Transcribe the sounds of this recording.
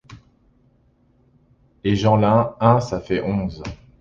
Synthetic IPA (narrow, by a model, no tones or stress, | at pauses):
eʒɑ̃lɛ̃ɛ̃safɛʔɔ̃z